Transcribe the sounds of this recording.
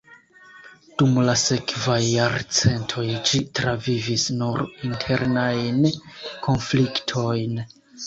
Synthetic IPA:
d̥umlase̞kvajːaɾt͡se̞ntʰo̞jd͡ʒitɾavivisnuɾintʰe̞ɾnajnkʰo̞nfliktʰo̞jn

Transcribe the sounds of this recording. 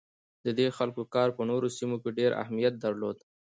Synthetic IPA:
d̪əd̪exalkokɑɾpənoɾosimokeɖeɾa̰hmijat̪̚d̪aɾlod̪

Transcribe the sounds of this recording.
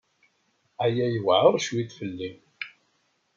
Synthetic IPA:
æjæjəwʕəɾˤʃwit̪fəlːim

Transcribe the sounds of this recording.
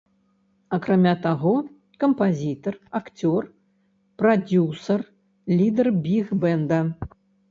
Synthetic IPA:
ɐkɾamʲat̪aɣɔ | kɐmpazʲit̪ɐrakt͡sʲɔr | pɾad͡zʲusɐr | lʲid̪ɛrbʲiɣbɛnd̪ɐ

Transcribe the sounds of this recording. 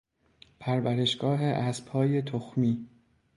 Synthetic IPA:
pʰæɾvæɾe̞ʃɡ̥ɒːɦeʔæspʰɒːjet̪ʰoxmiː

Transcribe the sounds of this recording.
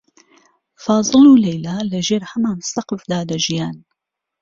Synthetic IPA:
fɑːzˤɨlulɐjlalɐʒeːɾhɐmaːnst̪ɑqɨfd̪aːd̪ɐʒijaːn

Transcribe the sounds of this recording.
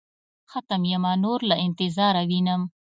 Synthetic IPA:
xat̪əmjamɑnoɾlaʔɪnt̪ɪzɑːɾawinəm

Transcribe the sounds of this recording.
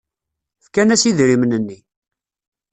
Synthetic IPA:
fkænæsiðɾimnənːi

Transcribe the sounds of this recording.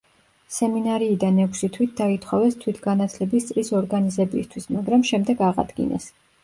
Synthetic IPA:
sɛminaɾiːd̪anɛkʷʰsit̪ʰwit̪̚ʰd̪ait̪ʰχɔvɛst̪ʰwit̪ʰɡanat̪ʰlɛbist̪sʼlisɔɾɡanizɛbḭst̪ʰwismaɡɾamʃɛmd̪ɛɡaʁa̰d̪ɡḭnʔɛ̰s

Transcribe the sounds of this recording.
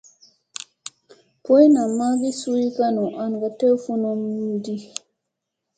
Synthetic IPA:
pɔjnamaɡisuikanɔʔanɡatɛwfunɔmːudi

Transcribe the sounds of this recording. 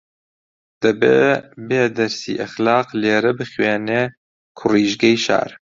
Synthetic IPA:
d̪̥ɐbeːbeːd̪ɐɾsḭːʔɐxlɑːqleːɾɐbɨxɥeːneː | kʰʊriːʒɡɐjʃa̰ːɾ

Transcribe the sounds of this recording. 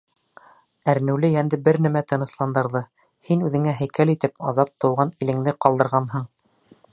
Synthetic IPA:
æɾnɘ̆wlɘjænd̪ɘbɘɾnæmæt̪ɤ̆nɤ̆slˠɑnd̪ɤ̆ɾðɤ | hinʉðɘ̆ŋæɦæjkælit̪ɘpɑzɑp̚t̪ɤ̆lˠʁɑnilɘ̆ŋd̪ɘqɑlˠd̪ɤ̆ɾʁɑnɦɤɴ

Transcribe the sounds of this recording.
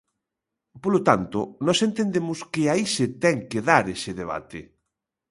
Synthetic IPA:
polot̪ant̪ʊ̰nɔsent̪end̪emʊskɪaiset̪ɛŋkeðaɾesɪðeβ̞a̰t̪ɪ

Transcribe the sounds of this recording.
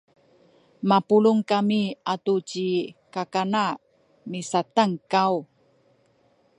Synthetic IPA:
mapuluŋkamiatut͡ɕikakana | misataŋkaw

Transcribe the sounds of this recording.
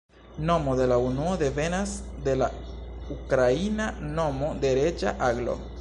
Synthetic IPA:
nomoðelaunwoðeβenasd̪ela̰ukɾainanomod̪eɾet͡ʃa̰ʔaɣlo̰

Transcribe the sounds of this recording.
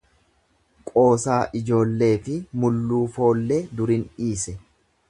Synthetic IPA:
kʼo̞ːsaːʔɪd͡ʒo̞ːlːe̞ːfɪmʊlːuːfo̞ːlːe̞ːd̪ʊɾinᶑiːsɛ

